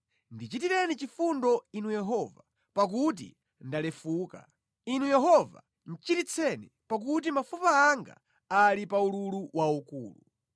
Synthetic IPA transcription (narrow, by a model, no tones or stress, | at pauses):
ndit͡ʃitiɾɛnit͡ʃifundɔinujɛɦɔva | pak̬ut̬ḭ | ndalɛfuːka̰ | inujɛɦɔva̰ | n̩t͡ʃitit͡sʰɛnḭ | pak̬ut̬imafupaːŋɡa̰ | alipaululuwaukṵːlu